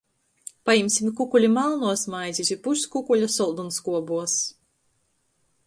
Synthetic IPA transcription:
pajimsʲimkukulʲimalˠnuɔsmajzʲisʲipuskukulʲasɔlˠd̪unskuɔbuɔs

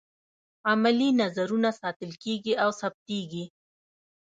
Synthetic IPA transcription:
amalinazaɾunasɑt̪əlkeɡiʔawsap̚t̪eɡi

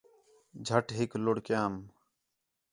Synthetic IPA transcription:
d͡ʒʱəʈɦɪkloɽkjaːm

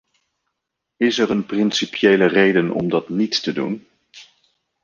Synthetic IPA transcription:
ɪsɛɹənprɪnsipjejlərejdənɔ̰mdɑtnittədṵn

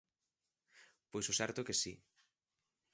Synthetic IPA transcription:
pojsosɛɾt̪okesi

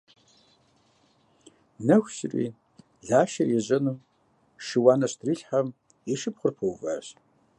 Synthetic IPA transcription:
nɐxʷɕɪrḭː | ɮaːʃɐrjɛʑʼɐnɨm | ʃɨwaːnɐɕtʰriːɬħam | jɛʃɨpχʷʊrpʰɐwva̰ɕ

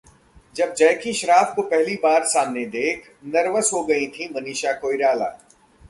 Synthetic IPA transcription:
d͡ʒɐb̚d͡ʒɐːkiʃɐɾaːfkopɛɦlibaːɾsaːmned̪eːkʰ | nɐɾʋəsɦoɡɐĩt̪ʰĩmɐniːʃakoːiɾaːla̰ː

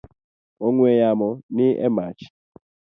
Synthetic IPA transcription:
oŋwɛjamɔniʔɛ̰mat͡ʃi̥

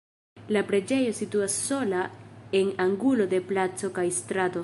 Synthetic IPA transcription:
lapɾe̞d͡ʒe̞jo̞situasːo̞lae̞naŋɡulo̞de̞plat͡so̞kajstɾato̞

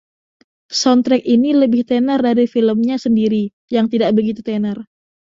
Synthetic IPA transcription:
sɔnt̪ɾɛk̚iniləbɪht̪enərdaɾifiləmɲasəndiɾi | jaŋt̪idaʔbəɡit̪ut̪enər

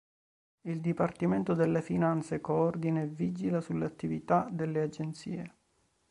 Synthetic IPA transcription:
ild̪ipart̪iment̪od̪elːefinant̪sekoord̪inevid͡ʒilasulːeat̪ːivit̪ad̪elːead͡ʒent̪sḭːe

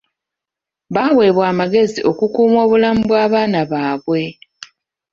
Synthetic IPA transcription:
βawe̞ːβwaːmaɡe̞ziʔo̞kukuːmwoːβulamubwaːβaːnaβaːβwe̞

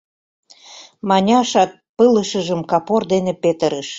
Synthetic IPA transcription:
mɑnʲɑʃɑt̪̚pələʃəʒəmkɑpord̪enepet̪əɾəʃ

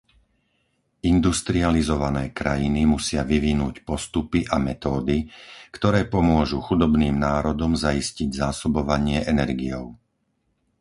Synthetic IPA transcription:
ind̪ust̪ɾializɔʋanɛːkɾajinimusɪaʋiʋinuːcpɔst̪upiʔamɛt̪ɔːd̪ikt̪ɔɾɛːpɔmʊɔʒuxud̪ɔbniːmnaːɾɔd̪ɔmzaisciɟzaːsɔbɔʋaɲɪɛʔɛnɛɾɡijɔʊ

